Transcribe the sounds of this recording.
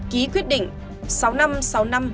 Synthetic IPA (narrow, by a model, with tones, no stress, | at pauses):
ki˨˦kwi˦˥ət̚ɗḭ˧˨ŋ̟ | sa˨˦wna˧msa˨˦wna˧m